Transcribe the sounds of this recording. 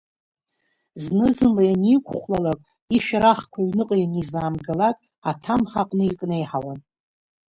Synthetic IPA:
znɨzɨnlajanijkʷʰʼχʷlalakʼ | iʃᶣaɾaχkʷʰaɥnɨqʼjanizaːmɡalakʼ | atʰamħaqʼnɨikʼne̞jħawan

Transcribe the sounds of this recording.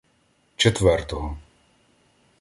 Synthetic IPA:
t͡ʃet̪ʋɛrt̪ɔɦɔ

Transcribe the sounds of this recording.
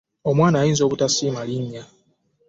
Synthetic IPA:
o̞mwaːnaːjiːnzo̞ːβutasiːmaliɲːa

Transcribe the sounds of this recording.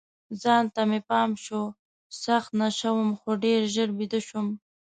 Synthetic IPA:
zɑnt̪amepɑmʃo | saxt̪naʃawəmxoɖeɾʒəɾbid̪əʃum

